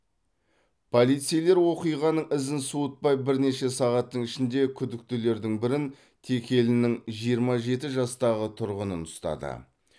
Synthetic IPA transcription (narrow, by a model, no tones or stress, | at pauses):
pʰo̞lˠijt̪sijle̞ɾwo̞qijʁɑnəɴɪzɪnsuət̪̚pɑjbɪɾne̞ʃe̞sɑʁɑt̪ːəɴɪʃɪnd̪e̞kʲʰʏd̪ɪk̚t̪ɪle̞ɾd̪ɪŋbɪɾɪn | t̪ʰe̞kʲʰe̞lɪnɪŋʒijəɾmɑʒe̞t̪ɪʒɑst̪ɑʁət̪ʰʊɾʁənənʊst̪ɑ̰d̪ə̰